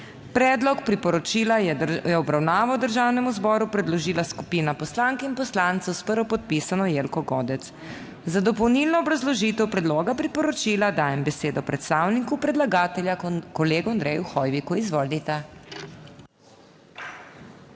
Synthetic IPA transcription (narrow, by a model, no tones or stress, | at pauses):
pɾɛːd̪lɔkpɾipɔɾɔt͡ʃilajɛɔbɾawnaːʋawd̪əɾʒaːwnɛmuzbɔɾupɾɛd̪lɔʒiːlaskupiːnapɔslaŋkinpɔslant̪sɔwspəɾʋɔpɔt̪̚pisanɔjelkɔɡɔːd̪ɛt̪s | zad̪ɔpɔwnilnɔːbɾazlɔʒiːt̪ɛwpɾɛd̪loːɡapɾipɔɾɔt͡ʃiːlad̪aːjɛmbɛseːd̪ɔpɾɛt̪st̪aːwnikupɾɛd̪laɡaːt̪ɛljakɔleːɡund̪ɾɛjuxɔjʋikuizʋɔlit̪a